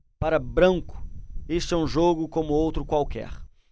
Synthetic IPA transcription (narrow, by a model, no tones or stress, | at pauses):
paɾɐbɾɐ̃ŋkʊ̥eʃt̪ɛũʒoɡʊkõmʊowt̪ɾʊkwawkɛ̰ɾ